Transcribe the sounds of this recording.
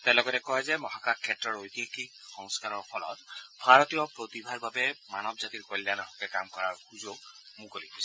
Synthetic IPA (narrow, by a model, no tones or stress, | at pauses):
t̪ɛlɔɡɔtɛkɔɦɛzemɔɦakakʰɛtɾɔɹojt̪ikixɔŋskaɾɔɹpʰɔlɔ̰t̪bʱaɹɔt̪ijɔpɾot̪ibʱaɹbabɛmanɔbzat̪iɹkɔjljanɔɦɔkɛkamkɔɹaɹxud͡ʒoɡ̚ | mũkolipɔsʰii̥